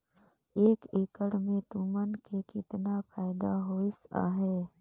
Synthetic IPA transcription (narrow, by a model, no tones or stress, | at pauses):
eːkeːkəɽmẽt̪umənkekɪt̪napʰaːɪd̪aɦoːɪsa̰ːɦɛː